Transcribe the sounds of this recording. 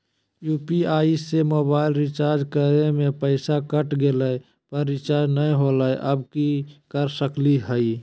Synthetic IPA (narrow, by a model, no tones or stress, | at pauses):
juːpiaːisemoːbaːɪlɾɪt͡ʃaːɾd͡ʒkəɾemẽpəɪsakəʈɡeləj | pəɾːɪt͡ʃaːɾd͡ʒnəiɦoləjʔəbkikəɾsəkliɦəi